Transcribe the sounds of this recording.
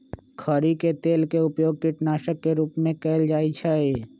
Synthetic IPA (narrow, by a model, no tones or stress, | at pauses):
kʰəɾiket̪eːlkeʊpjoːɡ̚kɪʈnaːʃəkːeɾuːpmẽkɛːɪld͡ʒaːit͡ʃʰae